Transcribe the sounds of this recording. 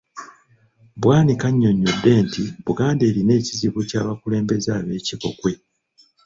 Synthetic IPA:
bwaːnikaɲːo̞ɲːodːe̞ːntiβuɡaːnde̞ːɾine̞ːciziβucaːβakule̞ːmbe̞zaːβe̞ːciko̞̰kwe̞

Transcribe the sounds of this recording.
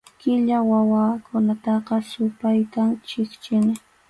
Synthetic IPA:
kɪʎawawaːkʰʊnat̪ɑqɑsʊpajt̪amt͡ʃɪkt͡ʃɪnɪ

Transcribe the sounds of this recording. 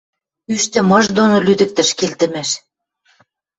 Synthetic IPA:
yʃt̪ɘ̆mɤ̆ʒd̪onolyd̪ə̆k̚t̪ə̆ʃkelt̪ə̆mæʃ

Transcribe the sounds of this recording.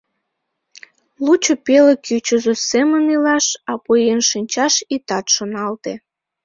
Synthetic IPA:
lut͡ɕopelekjyt͡ɕozosemənilɑʃɑpojenʃinʲt͡ɕɑʃit̪ɑt̪ʃonɑlt̪e

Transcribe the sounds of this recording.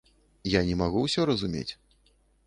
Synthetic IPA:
janʲɛmaɣuwsʲɔɾɐzumʲḛt͡sʲ

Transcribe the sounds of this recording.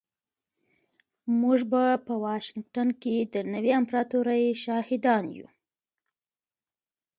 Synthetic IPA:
muʐbapəwɑʃɪŋɡ̚ʈanked̪ənəwiampɾɑt̪uɾajʃɑhɪd̪ɑnjṵ

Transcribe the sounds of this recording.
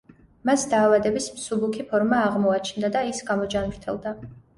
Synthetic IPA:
masd̪aːvad̪ɛbismsubukʰipʰɔɾmaːʁmɔat͡ʃʰnd̪ad̪aisɡamɔd͡ʒanvɾt̪ʰɛ̰lˠd̪a

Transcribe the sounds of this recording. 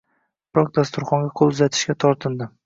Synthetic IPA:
b̥ɪɾɒk̚d̪ast̪ʊɾχɒŋɡʲaqʰolˠʊzat̪ʰɪ̥ʃkʲat̪ʰɒɾt̪ʰɪnd̪ɪ

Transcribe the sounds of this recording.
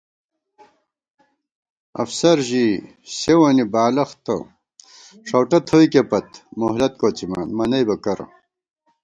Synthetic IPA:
ɐ̰fsɐɾʑi | ɕewɐnibaːlɐxt̪ɐ̰ | ʂɐwʈɐt̪ʰojkepɐt̪moɦlɐt̪̚koːt͡sima̰ːnmɐnɐjbɐkɐɾɐ̰

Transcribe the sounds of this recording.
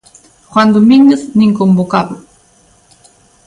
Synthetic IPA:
xwand̪omiŋnəθniŋkombokaβ

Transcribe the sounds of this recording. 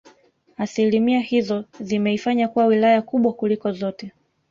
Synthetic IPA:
asilimiahizɔzimɛifaɲakuwawilajakuɓwakulikɔzɔtɛ

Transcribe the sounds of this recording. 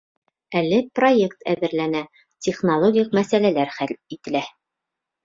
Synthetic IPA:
ælːɘproje̞kt̪æ̰ðɘ̆ɾlænæ | tʲeχnolˠoɡʲijq̚mæsælælæɾχælit̪ɘ̆læ

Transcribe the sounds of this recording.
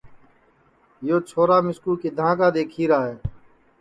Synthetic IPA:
joːt͡ʃʰoːɾaːmɪskuːkeːd̪ʱãːkaːd̪eːkʰiːɾaːɦeː

